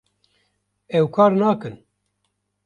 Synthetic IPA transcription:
ɛwkʰɑːɾnaːkɨn

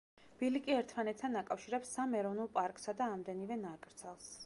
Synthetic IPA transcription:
b̥ilikʼiɛɾt̪ʰmanɛt̪̚ʰt̪ʰanakʼafʃiɾɛpsamɛɾɔnulˠpʼaɾkʼsad̪aːmd̪ɛnivɛnakʼɾd̪sʰɛlˠs

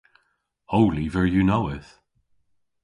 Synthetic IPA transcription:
oʊlivə˞junoʊɪθ

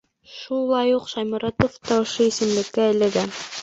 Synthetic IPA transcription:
ʃulˠɑjuqʃɑjmɑɾɑt̪oft̪ɑŏʃoisɘ̆mlɘ̆kːæːlæɡæn

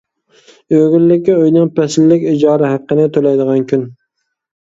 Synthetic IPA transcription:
øɡʲɪlːɪkʲːɪojnɪŋpʰæsɪlːɪkʲɪd͡ʒɑɾɪhɑqːɨnɪt̪ʰolajd̪ɪʁɑŋkʲʰʊn

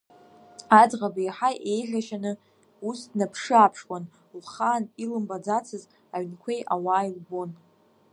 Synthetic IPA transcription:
ad͡zʁabajħajʔejʒʲᶣaʃanɨ | usdnapʰʂɨaːpʰʂkʷʼan | lχaːnilɨmbad͡zat͡sʰɨz | aɥnkʷʰejʔawaːjlbo̞n

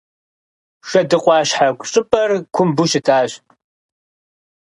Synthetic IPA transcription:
ʃɐdɨqʷʼɑːɕħakʷʼɕʼɪpʼɐrkʷʰʊmbʊʃɪtʰaːɕ

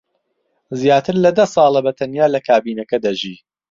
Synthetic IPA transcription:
zjaːt̪ɨɾlɐd̪ɐsˤɑːlˠɐbɐt̪ʰɐnjaːlɐkʰaːbiːnɐkɐd̪ɐʒiː

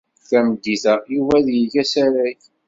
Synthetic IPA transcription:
θæməd̪ːiθæjuvæðjəʝæsæɾæç

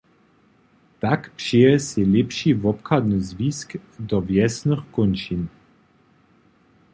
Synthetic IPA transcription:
t̪akpʃeəselɛpʃivɔpkʰad̪nəzviskd̪ɔvjɛsnəχkonʃin

